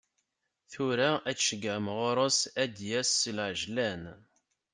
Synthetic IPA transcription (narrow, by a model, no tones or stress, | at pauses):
θʊɾææt͡sʃəɡəʕmʁʊɾˤəsæd̪jæsːəlʕʒlæn